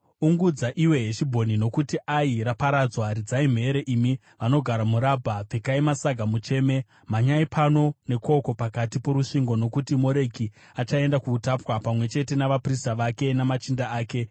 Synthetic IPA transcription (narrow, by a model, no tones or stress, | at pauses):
uŋɡud͡zaʔiwe̞ɦeʃibʱo̞nino̞kutiʔaiɾapaɾad͡zwaɾid͡zaim̤e̞ɾeʔimi | ʋano̞ɡʱaɾamuɾabʱapekaimasaɡʱamut͡ʃe̞ːme̞ | maɲaipʰano̞ne̞ko̞ko̞pakatipo̞ɾuʂiŋɡo̞no̞kutimo̞ɾe̞ki | at͡ʃae̞ndakuːtapwapamwe̞t͡ʃe̞te̞naʋapristaʋake̞namat͡ʃindaaːke̞